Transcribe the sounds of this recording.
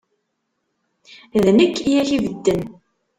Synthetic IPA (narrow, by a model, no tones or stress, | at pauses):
ðnəkːijæçivəd̪ːən